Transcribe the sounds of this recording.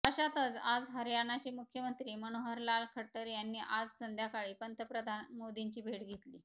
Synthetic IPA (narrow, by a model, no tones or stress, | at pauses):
əɕat̪ət͡sad͡zɦəɾjanat͡ɕiːmukʰjəmənt̪ɾiːmənoɦəɾlalkʰəʈːəɾjanːiːʔad͡zsənd̪ʱjakaɭiːpənt̪əpɾəd̪ʱanmod̪iɲt͡ɕiːbʱeɽɡʱet̪liː